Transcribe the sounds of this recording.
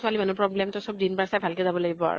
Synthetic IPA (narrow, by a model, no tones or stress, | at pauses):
sʊalimanupɹɔblɛmtɔsɔb̚dinbaɹsajbʱalkɛzabɔlaɡibɔa̰ɹṵ